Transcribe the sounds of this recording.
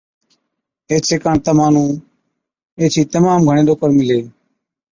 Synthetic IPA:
eːt͡ʃʰekaɳt̪ɐmaːnuː | eːt͡ʃʰiːt̪ɐmaːmɡʱəɽ̃eːd̪oːkəɾmileː

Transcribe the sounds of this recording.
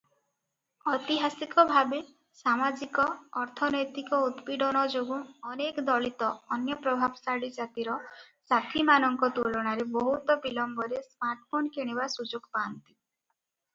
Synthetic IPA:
ɔt̪iɦasikɔbʱabe | samad͡ʒikɔːɾt̪ʰɔnɔjt̪ikɔut̪piɖɔnɔd͡ʒoɡũɔnekɔd̪ɔɭit̪ɔːnjɔpɾɔbʱabsaɽid͡ʒat̪iɾɔ | sat̪ʰimanɔŋkɔt̪uɭɔɽ̃aɾebɔɦut̪ɔbilɔmbɔɾesmaɾʈpʰonkeɽ̃ebasud͡ʒoɡpant̪i

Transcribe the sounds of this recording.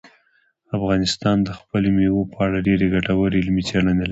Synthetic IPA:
afɣɑnɪst̪ɑnd̪əxpəlomewopʰəaɽaɖeɾeɡaʈawəɾeɪlmet͡seɽanela

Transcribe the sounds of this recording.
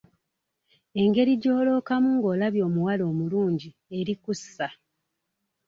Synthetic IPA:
e̞ŋɡe̞ɾiɟo̞ːlo̞ːkamuŋɡo̞ːlaβjo̞ːmuwalo̞ːmuluːɲɟi | e̞ɾikusːa

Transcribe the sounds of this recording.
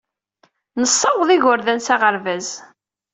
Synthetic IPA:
nəsˤːɑwðˤiʝʊɾðænsæʁəɾvæz

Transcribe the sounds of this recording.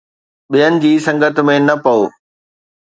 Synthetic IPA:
ɓijənɪ̆d͡ʑiːsɐ̃ŋɡət̪̆mẽnɐpɐoː

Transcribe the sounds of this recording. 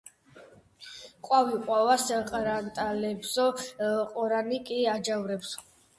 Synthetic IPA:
qʼwaviqʼwavasqʼɾant̪ʼalɛbsɔqʼɔɾanikʼiad͡ʒavɾɛps

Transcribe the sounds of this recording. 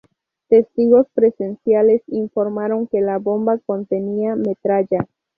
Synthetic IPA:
t̪e̞st̪iɣo̞spɾe̞se̞nsjale̞siɱfo̞ɾmaɾo̞ŋke̞labo̞mbako̞nt̪e̞niame̞t̪ɾad͡ʒa

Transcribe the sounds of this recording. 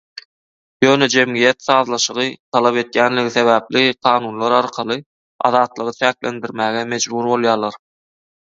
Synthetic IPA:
jø̞ːned͡ʒe̞mɡijet̪θɑːðlˠɑʃɯʁɯt̪ʰɑlˠɑpe̞t̪jæːnlʲiɡiθe̞βæːpliqʰɑːnuːnlˠɑɾɑɾqʰɑlˠɯ | ɑ̰ðɑːt̪lˠɯʁɯt͡ʃʰæːklend̪iɾmæːɣeme̞d͡ʒbuɾbo̞lˠjɑːlˠɑɾ

